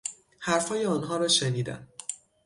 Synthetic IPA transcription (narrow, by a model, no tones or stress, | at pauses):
hæɾfɒːjeɒnɦɒːɾɒːʃeniːd̪æ̰m